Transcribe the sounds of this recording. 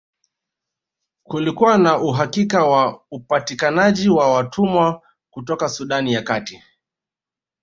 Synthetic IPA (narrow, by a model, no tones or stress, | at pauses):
kulikuwanauɦakikawaupatikanaʄiwawatʰumwa | kutɔkasuɗanijakati